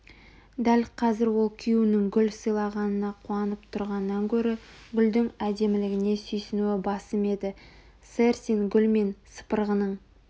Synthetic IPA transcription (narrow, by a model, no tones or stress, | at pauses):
d̪ælqʰɑzɪɾwo̞lˠkʲʰijunɪŋɡʲʏlsəjlˠɑʁɑnənɑqʰuɑnəpt̪ʰʊɾʁɑnːɑŋkʲʰɵɾɪɡʲʏld̪ɪŋæd̪e̞mɪlɪɡʲɪne̞sʏjsɪnuɪbɑsəme̞d̪ɪ | seɾsinɡʲʏlme̞nsə̥pəɾʁənəɴ